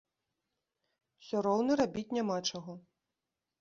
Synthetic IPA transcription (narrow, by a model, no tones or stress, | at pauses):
sʲɔɾɔwnɐɾabʲit͡sʲnʲamat͡ʂaɣɔ